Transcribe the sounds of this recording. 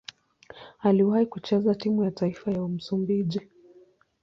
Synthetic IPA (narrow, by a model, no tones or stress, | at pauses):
aliwaikut͡ʃɛzatimujataifajaum̩sumbiʄi